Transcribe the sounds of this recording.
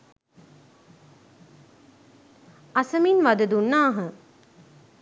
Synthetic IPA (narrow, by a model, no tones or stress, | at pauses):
asəminʋad̪ɐd̪unːaːɦə